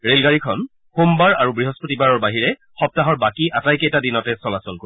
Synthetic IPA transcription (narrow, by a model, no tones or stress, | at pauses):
ɹelɡaɹikʰɔn | xombaɹa̰ɹubɹiɦɔspotibaɹɔɹbaɦiɹɛ | xɔp̚taɦɔɹbakiʔatajkejtadinɔtɛsɔlasɔlko